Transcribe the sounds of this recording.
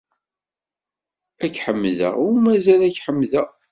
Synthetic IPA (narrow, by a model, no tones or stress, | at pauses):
ækħəmːðə̰ʁʊɾmæzælæçħəmːðəʁ